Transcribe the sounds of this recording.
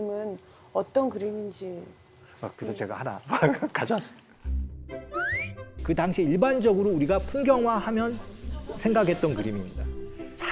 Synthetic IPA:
mɯn | ʌt͈ʌnkɯɾimind͡ʑi | akɯesʰʌt͡ɕe̞ɡa̰hana̰makkad͡ʑʌs͈ɯ̥mik͈a | kɯtaŋɕʰiiɭband͡ʑʌɡɯɾouɾiɡapʰumɡjʌŋɦwahamjʌnsʰe̞ŋɡakʰe̞t̚t͈ʌnkɯɾimimɲidasʰa

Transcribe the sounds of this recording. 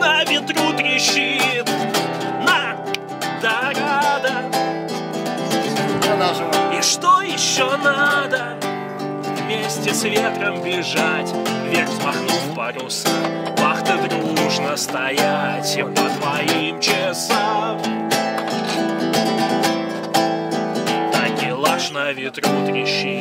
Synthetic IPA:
amʲɪt̪ɾut̪ɾʲɪɕit̪nɐ | d̪ɐɾad̪ə | iʂt̪ojɪɕːonad̪ə | vmʲesʲtʲɪsvʲet̪ɾəmbʲɪʐatʲvʲerspɐrnumbɐɾʲusə | vaχt̪əvɾʲuuʐnəst̪ɐjatʲpəd̪vɐimt͡ʃɪsam | t̪akʲɪlˠaʂnəvʲɪt̪ɾut̪ɾʲɪɕːi

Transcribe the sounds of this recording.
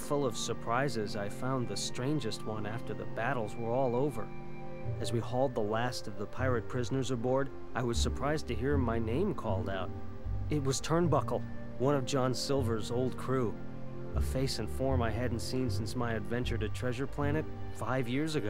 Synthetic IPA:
fʊlˠʌv̥sə˞pʰɹ̥aɪzɪzaɪfãʊ̃nðɨstɹ̥ẽɪ̃nd͡ʒɨst̚wʌ̃næftə˞ðə̰bæɾl̩ˠzwə˞ɔlˠoʊvə̰˞ | ɨzwihɔlˠd̪̚ðəlæstʌvðəpʰaɪɹɨt̚pʰɹ̥ɪznə˞zəbɔɹɾ | ʔaɪwʌz̥sə˞pʰɹ̥aɪztʰɨɦiɹmaɪnẽɪ̃mkʰɔlˠdaʊɾ̚ | ɨt̚wʌz̥tʰɜ̃˞nbʌkl̩ˠ | wʌ̃ñʌvd͡ʒɑ̃nsɪlˠvə˞zoʊlˠd̚kʰɹ̥u | əfeɪsɨ̃nfɔɹmaɪɦɨdⁿn̩tsĩnsɪ̃nsmaɪɨdvɛ̃nt͡ʃə˞ɾɨtʰɹ̥ɛʒə˞pʰl̥æñɨt̚ | faɪvjɪɹzɨɡoʊ

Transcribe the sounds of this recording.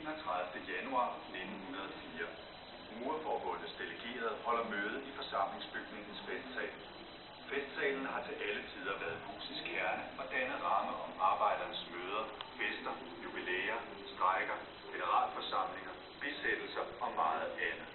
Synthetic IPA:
nɒt͡sʰʁɑ̈ð̞ˠfd̥əjænuɑ̰̈ːne̝d̥n̩hunɐð̞ˠɒfiːɐ | muːɐfɒːb̥ɔ̽n̰d̥əsd̥e̝ləɡ̥e̝̰ːɐð̞ˠhɒ̽l̰ɐmøːð̞̩ˠifɒ̽sɑ̈m̰le̝ŋsb̥yɡ̥ne̝ŋn̩sfesd̥sɛ̰ːɪl | fesd̥sɛ̰ːln̩əɦɑ̈t͡sʰe̝lʔælət͡sʰiːð̞ˠɐʋæɐðˠbʰṵːsisɡ̥ʰhæɐnəɒ̽d̥ænəʁɑ̈məʔɒ̽mɑ̈ːb̥ɑ̈ɪ̰d̥ɐnəsmøːð̞ˠɐfesd̥ɐ | jub̥ilḛːɐ | sd̥ʁɑ̈ɪɡ̥ɐ | ɡ̥enəʁɑ̰̈ːlfɒ̽sɑ̈m̰le̝ŋɐ | b̥e̝sed̥l̩sɐɒ̽mɑ̈ːð̩ˠænə

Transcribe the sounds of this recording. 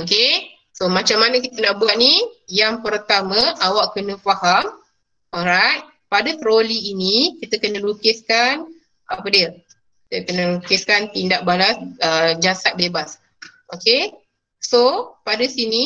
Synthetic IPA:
oke | somãt͡ʃamːanəkit̪ənaʔbuaʔ̪̚nijaŋpərt̪amãʔawaʔkənə̃faham | oɾajt̪̚ | padat̪ɾoliːnikit̪əkənəlukɪskan | apədiə | kit̪əkənəlukɪskant̪indaʔ̚balasəd͡ʒasat̪̚bebas | oke | sopadasini

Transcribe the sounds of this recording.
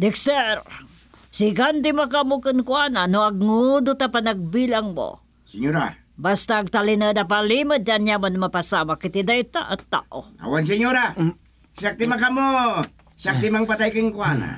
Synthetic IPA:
d̪ɪksɛɾ | sɪkant̪̬ɪmakamokənkwananoɐɡ̚ŋʊd̪ʊt̪apanaɡ̚bilaŋmo̰ | sɪɲoɾa̰ | bast̪aːɡ̚t̪alɪnəd̪ap̬aliməd̪̚anjamanmapasamakɪt̪id̪ajt̪a̰ʔat̪ːa̰ːʔoa̰wans̬ɪɲoɾa | sak̚t̪ɪmakamo | sakt̪ɪmaŋpat̪ajkɪŋkwana̰

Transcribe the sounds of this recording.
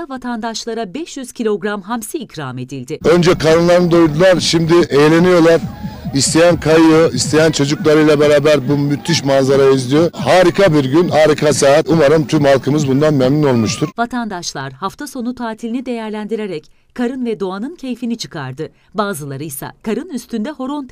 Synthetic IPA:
vat̪ʰand̪aʃlˠaɾabɛʃjyz̥cʰilʲo̞ɡɾamɦamsiːcʰɾaːme̞d̪ilʲd̪ɪø̞nd͡ʒɛkʰaɾɯnlˠaɾɯnd̪ojd̪ulˠaɾʃimd̪ɪʔejlʲe̞nijo̞lˠaɾist̪ʰe̞jænkʰajɯist̪ʰe̞jænt͡ʃʰo̞d͡ʒuklˠaɾɯjlˠabeɾaːbæɾbumyt̪ʰːiʃmanzaɾajaizd̪ʲijohaːɾikʰabiɾɟynhaːɾikʰasaːɦat̪umaɾɯmt̪ʰymhalˠkʰɯmɯzbund̪anmɛmnino̞lˠmuʃt̪ʰuɾ̥vat̪ʰand̪aʃlˠaɾhaft̪ʰaso̞nut̪ʰaːt̪ʰilʲinid̪e̞jæɾlʲænd̪iɾe̞ɾɛc | kʰːaɾɯnvɛd̪o̞anɯncʰe̞jfinit͡ʃʰɯ̥kʰaɾd̪ɯ | baːzɯlˠaɾɯjsa̰kʰaɾɯnyst̪ynd̪ɛho̞ɾo̞nt̪ʰ

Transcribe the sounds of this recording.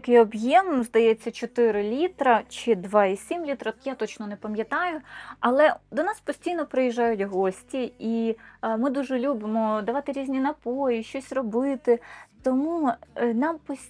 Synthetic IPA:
kɪɔbjɛmzd̪ɐjɛt͡sʲːɐt͡ʃɔt̪ɪɾɪlʲit̪ɾɐt͡ʃɪd̪ʋɑisʲimlʲit̪ɾɐjat̪ɔt͡ʃnɔnepɐmʲjɐt̪ɑjʊɐlˠɛd̪ɔnɑspɔsʲtʲijnɔpɾɪjiʒːɑjʊtʲɦɔsʲtʲiimɪd̪uʒɛlʲubɪmɔd̪ɐʋɑt̪ɪɾʲizʲnʲinɐpojiʃt͡ʃɔsʲrɔbɪt̪ɪt̪ɔmunɑmpɔsʲ

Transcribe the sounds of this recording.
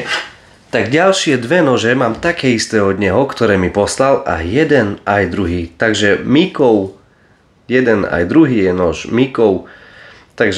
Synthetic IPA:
t̪aɡɟalʃɪɛd̪ʋɛnɔʒɛmaːmt̪akɛːist̪ɛːɔd̪ɲɛɦɔkt̪ɔɾɛːmipɔslala̰jɛd̪ɛnajd̪ɾuɦiːt̪aɡʒɛmikɔʊ | jɛd̪ɛna̰jd̪ɾuɦiːjɛnɔʒmikɔʊ | t̪aɡʒ

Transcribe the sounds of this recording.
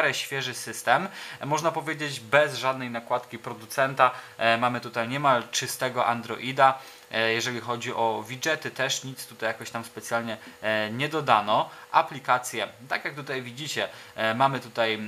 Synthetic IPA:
ɾɛɕfʲjɛʐɘsɘst̪ɛmːɔʐnapɔvʲjed͡ʑed͡ʑbɛzʐad̪̚nɛjnakwat̪kʲipɾɔd̪ut̪sɛnt̪amamɘt̪ut̪ajɲɛmalt͡ʂɘst̪ɛɡɔʔand̪ɾɔ̰ʔid̪a | jɛʐɛlʲixɔd͡ʑiʔɔvʲid͡ʐɛt̪ɘt̪ɛʂɲit̪st̪ut̪ajakɔɕt̪amspɛt̪sʲjalɲɛɲɛd̪ɔd̪anɔʔa̰plʲikat̪sʲjɛt̪akjak̚t̪ut̪ajvʲid͡ʑit͡ɕɛmamɘt̪ut̪aj

